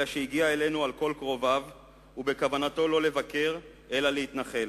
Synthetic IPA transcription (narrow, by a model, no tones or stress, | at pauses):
aʃeiɡiae̞le̞nualko̞lkʁo̞vav | ube̞kavanat̪o̞lo̞le̞vake̞ʁ | ʔe̞laleit̪naχe̞l